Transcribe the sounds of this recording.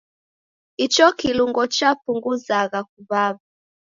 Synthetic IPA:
it͡ʃɔkiluŋɡɔt͡ʃapuŋɡuzaɣak̚uβaβa

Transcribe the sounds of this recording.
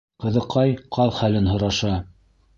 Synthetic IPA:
qɤ̆ðɤ̆qʰɑjqʰɑlˠχælɘnɦŏɾɑʃɑ

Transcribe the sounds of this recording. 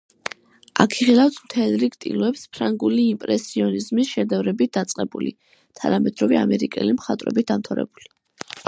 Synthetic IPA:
a̰kʰiχilˠaft̪ʰmt̪ʰɛlˠɾiɡt̪ʼḭlˠɔɛpspʰɾaŋɡuliːmpʼɾɛsiɔnizmisʃɛd̪ɛvɾɛbit̪̚d̪at̪sʼqʼɛbuli | t̪ʰa̰namɛd̪ɾɔvɛa̰mɛɾikʼɛ̰limχat̪ʼvɾɛ̰bit̪̚d̪amt̪ʰaɾɛ̰buli

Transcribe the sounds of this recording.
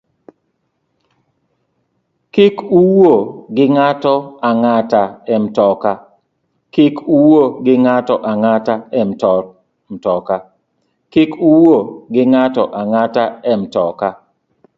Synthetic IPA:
kikuwoɡɪŋatɔaŋataɛmtɔka | kikuwoɡɪŋatɔʔaŋataɛmtɔ | mtɔka | kikuwoɡɪŋatɔʔaŋataɛmtɔka

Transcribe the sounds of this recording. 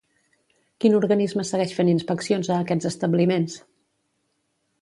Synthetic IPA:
kinuɾɣənizməsəɣɛʃfeninspəksionzəːkɛd͡zəst̪əblimens

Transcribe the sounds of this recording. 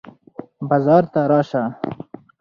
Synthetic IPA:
bɑzɑːɾt̪aɾɑːʃa

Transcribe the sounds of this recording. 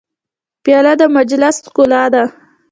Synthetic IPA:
pjɑlad̪əmad͡ʒlaskolɑd̪a

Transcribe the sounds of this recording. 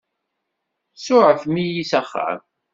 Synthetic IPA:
sʊʕəfmijisæχːə̰m

